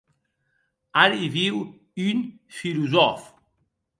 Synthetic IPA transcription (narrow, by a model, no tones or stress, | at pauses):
aɾiviw | yn | filuzɔf